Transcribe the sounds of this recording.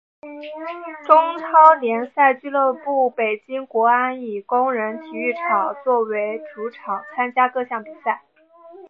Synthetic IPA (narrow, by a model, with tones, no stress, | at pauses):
ʈ͡ʂʊ˥ŋʈ͡ʂʰɑ˥ʊljɛ˧˥nsa˥˧ɪt͡ɕy˥˧lɤ˥˧pu˥˩pe˨˩ɪt͡ɕi˥ŋkwɔ˧˥a˥ni˨˩kʊ˥ŋɻə˧˥nt̪ʰi˧˩y˥˩ʈ͡ʂʰɑ˨˩ʊt͡swɔ˥˩we˧˥ɪʈ͡ʂu˧˥ʈ͡ʂʰɑ˨˩˦ŋt͡sʰa˥nt͡ɕja˥kɤ˥˧ɕjɑ˥˩ŋpi˨˩sa˥˩ɪ